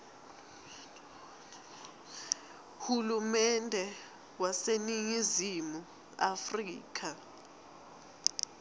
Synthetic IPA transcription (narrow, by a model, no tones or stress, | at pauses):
hulumɛndʱɛ | waseniŋizimu | afriːk̬ʰʼa